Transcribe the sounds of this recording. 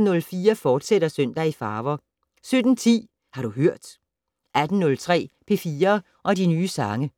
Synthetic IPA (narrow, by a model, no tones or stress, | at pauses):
nɔ̽lfiːɐfɒːd̥seɾɐsøn̰d̥æifɑ̈ːʋɐ | sød̥n̩t͡sʰḭː | hɑ̈ɾ̥uɦøɐ̰d̥ | ʔæd̥n̩nɔ̽lt͡sʰʁɛ̰ːpʰe̝fiːɐ | ʔɒ̽dinyːsɑ̈ŋə